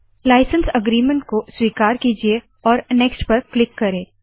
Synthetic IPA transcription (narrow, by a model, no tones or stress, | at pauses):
laːɪsə̃nsɐɡɾiːmə̃ɳʈ̚koswiːkaːɾkiːd͡ʒie | ɔːɾnɛːksʈpɐɾklɪkːɐɾẽː